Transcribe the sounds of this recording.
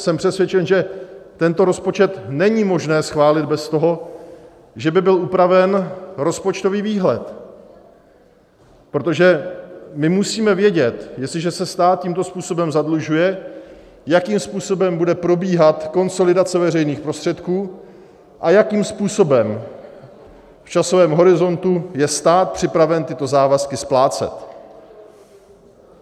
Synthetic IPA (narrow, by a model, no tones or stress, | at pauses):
sɛmpr̥ɛsvjɛt͡ʃɛnʒɛt̪ɛnt̪o̞ɾo̞spo̞t͡ʃɛt̪nɛɲimo̞ʒnɛːsxvaːlɪd̪̚bɛst̪oɦo̞ | ʒɛbɪbɪlʔupɾavɛnɾo̞spot͡ʃt̪o̞viːviːɦlɛ̰t̪ | pɾot̪o̞ʒɛmɪmusiːmɛvjɛɟɛt̪jɛst̪lɪʒɛsɛst̪aːt̪̚ciːmt̪o̞spuːso̞bɛmzadluʒujɛ | jakiːmspuːso̞bɛmbudɛpɾo̞biːɦat̪ko̞nso̞lɪdat͡sɛvɛrɛjniːxpɾo̞st̪r̥ɛt̪kuː | ʔajakiːmspuːso̞bɛm | ft͡ʃaso̞vɛːmɦo̞ɾɪzo̞nt̪ujɛst̪aːt̪̚pr̝̥ɪpɾavɛnt̪ɪt̪o̞zaːvaskɪsplaːt͡sɛ̰t̪